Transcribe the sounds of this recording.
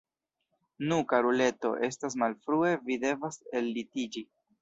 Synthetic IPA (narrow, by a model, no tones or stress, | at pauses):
nukaɾule̞to̞̰ʔe̞stas̬malfɾue̞vide̞vase̞lːitid͡ʒi